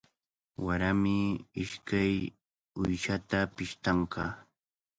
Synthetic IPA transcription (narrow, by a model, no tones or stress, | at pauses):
waɾamɪɪʃkaj | ʊjʃat̪apɪʃt̪ɑɴqɑː